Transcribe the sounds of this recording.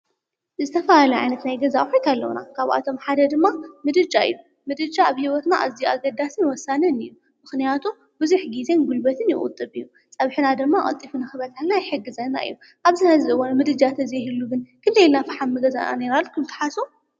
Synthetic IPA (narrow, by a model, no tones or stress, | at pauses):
zɨt̪ʰɐfalalɐʕa̰jnɐt̪najɡɐzaħojt̪ʰalːɐwna̰kʰaβa̰t̪ʰo̞mħad̪ɐd̪ɨmːamɨd̪ɨd͡ʒaɨ̰jːu | mɨd̪ɨd͡ʒaːβhiwot̪naʔa̰zijuaɡɐd̪ːasɨnwɔsːanɐnɨ̰jːu | mɨxnijat̪ʰu | bɨzuħɡizenɡulbɐt̪ʰɨnjɪ̰ʔʼʊ̰t̪ʼːɨβɨjːu | t͡sʼɐβħɨnad̪ɨmːaʔʼɐ̰t̪ʼːifunɨxɨβɐt̪ʰanajɪħɨɡːɨzɐnːa̰ʔɨ̰jːu | ʔaβzɨnazɨɨwonmɨd̪ɨd͡ʒat̪ʰɐzɐɦɨlːuɡɨnkʰɨnd̪ɐjilnafɨħamːɨɡɐzana̰neɾalːukʰɨmt̪ʰɐ̥ħasu